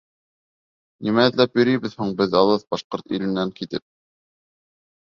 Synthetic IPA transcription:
nimæɘ̆ðlæpjɵ̆ɾɘjβɘðhuɴbɘðɑlˠɤðbɑʃqoɾt̪ḭlɘ̆nːæŋkit̪ɘp̚

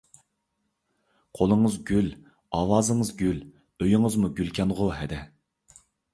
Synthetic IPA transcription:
qʰolˠəŋəzɡʲyl | ɑːwɑːzɨŋəzɡʲyl | øjɪŋəzmuɡʲylkʲʰɛnʁʊɦɛd̪ɛ

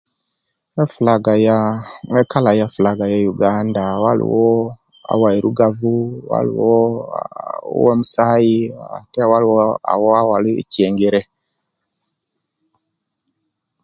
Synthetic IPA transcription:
mɛfulaɡajaŋɛkalajafulaɡajajuɡandawalṵwɔ | a̰waiɾuɡavuwa̰lḭwɔ | wɛmusajḭtɛwalwɔa̰wɔawalḭciɛŋɡeɾɛ

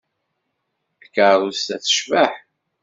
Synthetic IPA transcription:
θəkəˤust̪æθə̥ʃvəħ

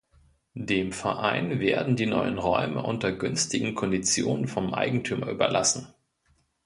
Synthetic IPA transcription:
deːmfɛɐʔaɪnveːɐdn̩diːnɔ̰ʏənʁɔʏmə̰ʔʊntɐɡʏnstɪɡŋ̩kʰɔndit͡sjo̰ːnənfɔmʔa̰ɪɡŋ̩tʰyːmɐʔy̰ːbɐ̰lʔasn̩

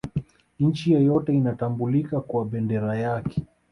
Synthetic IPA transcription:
n̩t͡ʃijɛjɔtɛinatambulikakwaɓɛndɛɾajakɛ̥

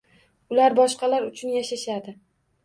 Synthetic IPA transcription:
ʊlaɾbɒʃqɑlaɾʊt͡ʃʰʊnjaʃaʃad̪ɪ

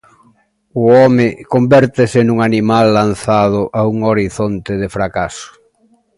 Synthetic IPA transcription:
ʊɔmɪkombɛɾt̪ɪsɪnũŋanimalːanθaðʊʔauŋoɾiθont̪ɪðɪfɾakasʊ̥

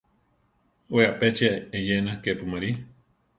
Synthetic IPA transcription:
weaʔpet͡ʃiaejenakepumaɾi

